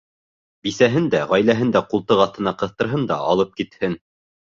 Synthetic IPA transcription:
bisæɦɘnd̪æʁæjlæɦɘnd̪æqulˠt̪ɤʁɑθt̪ɤ̆nɑqɤ̆θt̪ɤ̆ɾɦɤnd̪ɑ̰ʔɑlˠɤp̚kit̪hɘn

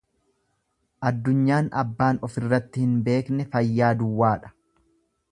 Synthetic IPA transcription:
ʔɐd̪ːʊɲːaːnɐ̰bːaːnɔfɪrːɐt̪ːɪhɪnbe̞ːknɛfɐjːaːd̪ʊwːaːᶑɐ̥

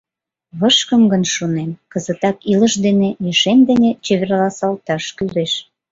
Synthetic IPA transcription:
βəʃkəmɡənʃunemkəzə̆t̪ɑkilə̆ʃd̪enejeʃemd̪enet͡ɕeβerlɑsɑlt̪ɑʃkyleʃ

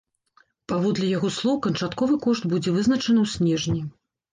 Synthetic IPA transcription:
pavɔd̪lʲijaɣɔslˠɔwkɐnt͡ʂat̪kɔvɨkɔʂt̪bud͡zʲɛvɨznɐt͡ʂɐnɐwsʲnʲɛʐnʲi

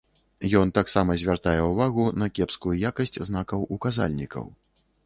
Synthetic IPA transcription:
jɔnt̪aksamɐzʲvʲart̪ajɛuvaɣunɐkʲɛpskujujakɐsʲt͡sʲznakɐwʔukaza̰lʲnʲikʰɐ̰w

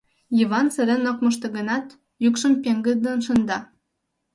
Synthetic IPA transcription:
iβɑnsə̆ɾenokmə̆ʃt̪ɤ̆ɣə̆nɑt̪ | jukʃəmpʲeŋɡə̆d̪ənʃə̆nd̪ɑ

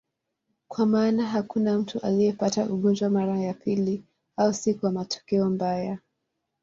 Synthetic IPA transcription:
kwamaːnaɦakunam̩tuʔalijɛpataʔuɠɔnd͡ʒwamaɾajapili | ausikuwamatʰɔ̥kɛɔmbaja

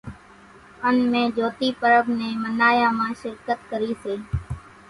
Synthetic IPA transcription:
ənmẽːd͡ʒoːt̪iːpəɾəbneːmənaːjãːmãːʃɪɾkət̪kəɾiːseː

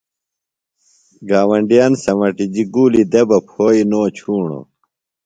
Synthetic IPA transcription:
ɡaːwɐɳɖijaːnsɐmɐʈid͡ʑiɡuːlid̪ebɐpʰoːinoːt͡ɕʰuːɳo̰

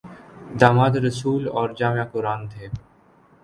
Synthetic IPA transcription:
d̪aːmaːd̪ɾəsuːlɔːɾd͡ʒaːmjaːkʊɾaːnt̪ʰeː

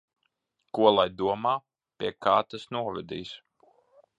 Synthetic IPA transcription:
kuɔlˠajd̪uɔmaː | pʲiɛkʰaːt̪asnuɔvɛd̪ḭːs

